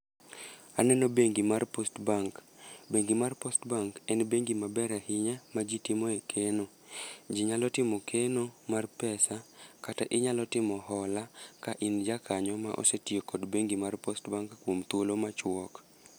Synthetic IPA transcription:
anɛnobeŋɡimarpostbaŋk | beŋɡimarpostbaŋkɛnbeŋɡimabɛɾɛhɪɲɛmad͡ʒitɪmoekʰeno | d͡ʒiɲalɔtɪmɔkʰenomarpɛsakataʔɪɲalɔtɪmɔhɔlakaʔind͡ʒakʰaɲɔmaʔo̰setjekɔdbeŋɡimarpostbaŋkːwomt̪wolomat͡ʃwɔk

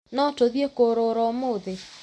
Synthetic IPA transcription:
nɔtoðjekoɾoɾɔmoðe

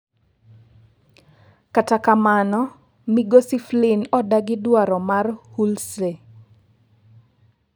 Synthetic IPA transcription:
katakamanɔ | miɡosiflinɔdaɡɪdwaɾɔmarhulse

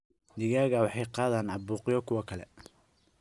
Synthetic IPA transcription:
nɪɣaːɣɐwɑħɑjqɑːðaːnɑbuːqɪjɔkʰʊwɐkʰɐlɛ̰

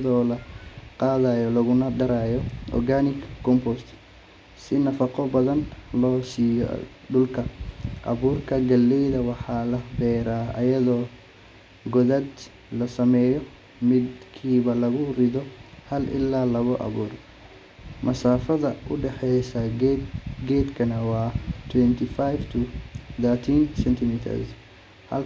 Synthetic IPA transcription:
jɐðɔːlɐqɑːðaːjɔlɐɣʊnɐd̪ɐɾaːjɔʔɔ̰rɡaːnɪkkʰːɔmpɔst̪ | sɪnɐfɑqɔbɐðɐnlɔːsiːjɔ̰ | ɖʊlkʰɐʔɐ̰βuːrkʰɐɡɐlːɛjðɐwɑħɑːlɐbɛːɾaːɐ̰jɐðɔː | ɡɔðɐd̪ | lɐsɐmɛːjɔ | mɪd̪kʰiːβɐlɐɣʊrɪðɔhɐlʔɪ̰lːaːlɐβɔʔɐ̰βṵːr | mʔɐsaːfɐðɐʔʊɖɛħɛjsɐ | ɡɛːd̪kʰɐnɐwɑːt̪ʰwɛnt̪ʰifajft̪ʰʊðəːt̪ʰinsɛnt̪ʰɪmit̪ʰɐ̰rs | hɐ̰l

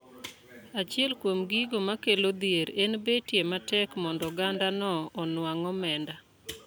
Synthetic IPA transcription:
at͡ʃɪɛlkwomɡiɡomakelod̪ieɾenbetjematɛkmɔndɔɡandanɔːnwaŋɔmɛnda

